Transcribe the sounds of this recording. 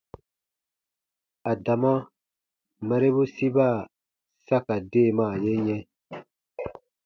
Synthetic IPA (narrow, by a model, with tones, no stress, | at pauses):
a˨da˨mã˦ | mɛ˨ɾe˦βu˦si˦ba˦˨ | sa˦ka˨deː˦˨mã˦˨je˦ɲɛ̃˦